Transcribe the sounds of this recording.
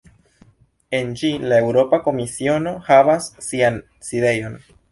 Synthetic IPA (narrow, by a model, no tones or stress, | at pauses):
e̞nd͡ʒilae̞wɾo̞pako̞misio̞no̞havasːian | side̞jo̞n